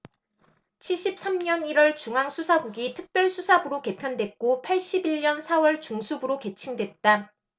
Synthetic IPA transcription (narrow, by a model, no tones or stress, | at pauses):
t͡ɕʰiɭɕ͈ip̚s͈amɲʌniɾwʌɭt͡ɕuŋɦaŋsʰusʰaɡuɡitʰɯk̚p͈jʌɭsʰusʰabɯɾoke̞pʰjʌndwe̞t̚k͈opʰaɭɕ͈ibiɭɲʌnsʰawʌɭt͡ɕuŋsʰubɯɾoke̞t͡ɕʰiŋdwe̞t̚t͈a